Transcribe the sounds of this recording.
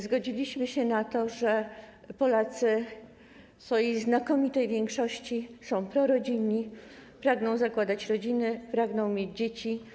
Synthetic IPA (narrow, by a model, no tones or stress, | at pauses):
zɡɔd͡ʑilʲiɕmɘɕɛnat̪ɔʐɛ | pɔlat̪sɘ | sfɔjiznakɔmʲit̪ɛjvʲjɛŋkʂɔɕt͡ɕisɔ̃w̃pɾɔɾɔd͡ʑiɲːipɾaɡnɔ̃w̃zakwad̪at͡ɕɾɔd͡ʑinɘpɾaɡnɔ̃w̃mʲjed͡ʑd͡ʑet͡ɕi